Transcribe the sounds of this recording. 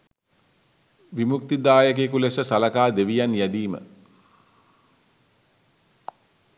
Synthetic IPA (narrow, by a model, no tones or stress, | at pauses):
ʋimuk̚t̪id̪aːjək̬ekulesəsalakaːd̪eʋijanjæd̪iːmə̰